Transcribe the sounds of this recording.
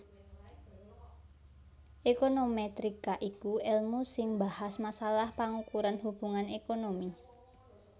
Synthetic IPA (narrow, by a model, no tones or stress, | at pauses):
ʔekonomet̪ɾikaʔikuɛlmusɪŋbahasmasalahpaŋukuɾanhub̥uŋanekonomi